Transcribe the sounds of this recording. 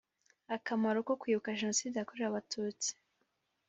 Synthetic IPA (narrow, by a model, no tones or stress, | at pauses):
akamaɾuko̞kwiːβukaʒe̞no̞siːdejakoɾeɾaβatʰuːt͡si̥